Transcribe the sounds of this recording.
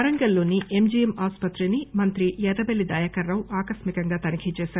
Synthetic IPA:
ɐɾɐŋɡɐlːo̞ːniʔemd͡ʒijemaːspɐt̪ɾinimɐnt̪ɾijɛd̪ɐbelːid̪ɐjɐkɐɾːɐwaːkɐsmikɐŋɡaːt̪ɐnikʰit͡ʃɛːʃaːɾu

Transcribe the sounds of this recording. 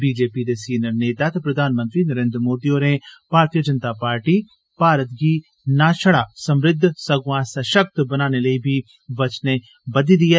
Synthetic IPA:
biːd͡ʒeːpid̪esiːnəɾneːt̪aːt̪pɾɐd̪ʱaːnmənt̪ɾinəɾẽːnd̪ɾmoːd̪ioːɾẽb̥aːɾt̪ijəd͡ʒənt̪apaːɾʈi | paːɾət̪̚ɡiː | naːʃəɽaːsə̃mɾɪd̪ʱːsɐɡʋãːsɐʃək̚t̪bənaːneləibʱi | ʋɐt͡ʃne | bɐd̪id̪ieː

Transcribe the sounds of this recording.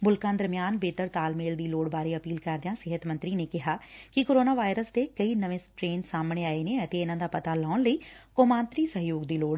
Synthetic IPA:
bʊlkãːnd̪əɾmjaːnbeːt̪əɾt̪aːlmeːld̪iːloːɽbaːɾeːəpiːlkəɾd̪ɪjãːsɪɦət̪mə̃nt̪ɾiːneːkɪɦaːkɪkoːɾoːnaːʋaːɪɾəsd̪eːkəiːnəʋẽsʈɾeːnsaːmɳeːaːeːneːət̪eːɪnãːd̪aːpət̪aːlɔːnləiːkoːmãːnt̪ɾiːsəɦjoːɡd̪iːloːɽ

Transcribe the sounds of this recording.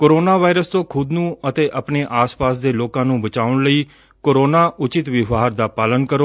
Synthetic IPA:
koːɾoːnaːʋaːɪɾəst̪õːkʰʊd̪nũːət̪eːʔəpneːʔaːspaːsd̪eːloːkãːnũːbət͡ʃaːʊɳləiː | koːɾoːnaːʔʊt͡ʃɪt̪ʋɪʋaːɾd̪aːpaːlənkəɾoː

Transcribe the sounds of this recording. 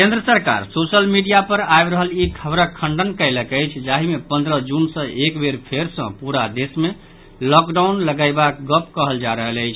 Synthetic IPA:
kend̪ɾəsəɾka̰ɾsosəlmiɖijapəɾajbɾəɦəlikʰəbɾəkʰːə̃ɳɖənkəɪləkəjt͡ʃʰd͡ʒaɦimepənd̪ɾəd͡ʒunsə̃ʔekbeɾpʰeɾsə̰̃puɾad̪esme | lɔkɖaunləɡaɪbak̚ɡəp̚kəɦəld͡ʒaɾəɦələjt͡ʃʰ

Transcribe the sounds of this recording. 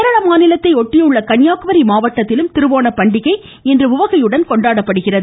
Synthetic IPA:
ɐɾɐɭɐmaːnɪlɐt̪ːɐɪɔʈːɪjɯɭːɐkɐɳjaːkʋɐɾimaːʋɐʈːɐt̪ːɪlɯmt̪ɪɾɯʋaːnɐpːɐɳɖɪɣɐɪ | ɛndrɯʊʋɐɣɐjɯɽɐnkɔɳɖaːɽɐpːɐɽɯɣɪrɐðɯ

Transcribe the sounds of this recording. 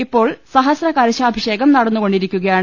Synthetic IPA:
ipːo̞ːɭsɐɦɐsrɐkɐɾɐɕaːbʱiʂe̞ːɣɐmnɐɽɐnːuko̞ɳɖiɾikʲːuɣɐjaːɳ

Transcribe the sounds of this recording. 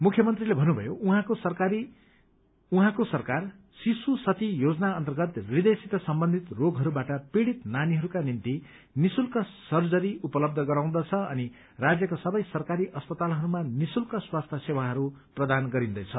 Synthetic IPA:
mukʰjʌmʌnt̪rilebʱʌnubʱʌ̰jouɦãkosʌkaɾi | uɦãkosʌrkar | sisusʌt̪ijod͡zʌnaʌnt̪ʌrɡʌt̪rid̪esit̪ʌsʌmbʌnd̪ʱit̪roɡɦʌɾubaʈʌpiɽit̪naniɦʌɾukanint̪i | nisulkʌsʌrd͡zʌɾiupʌlʌb̚d̪ʱʌɡʌɾaw̃d̪ʌt͡sʰʌʌ̰ni | rad͡zjʌkasʌbʌjsʌrkaɾiʔʌspʌt̪alɦʌɾumanisulkʌswast̪ʰʌsewaɦʌɾuprʌd̪anɡʌɾind̪ʌjt͡sʰʌ

